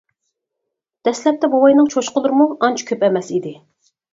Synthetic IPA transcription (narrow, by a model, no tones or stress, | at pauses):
d̪̥ɛslɛp̚t̪ɛbowɑjnɨŋt͡ʃʰoʃqəlˠɨɾmuɑnt͡ʃʰu̥kʲʰøpɛmɛsid̪ɪ